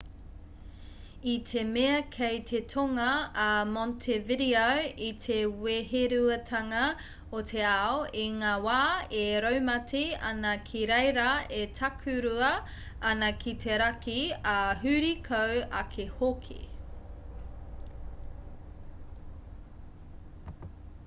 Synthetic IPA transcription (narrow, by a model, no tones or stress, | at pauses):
it̪ʰe̞meɐkʰejt̪ʰetʰoŋɐːmɔntʰevidiowit̪ʰeweheɾʉɐtʰɐŋɐ | otʰeaoiŋaːwaːeɾowmɐtʰiɐ̰nɐkʰiɾejɾɐetʰɐkʰʉɾʉɐ | ɐnɐkʰitʰeɾɐkiɐɦʉːɾikʰowɐkʰehokʰḭ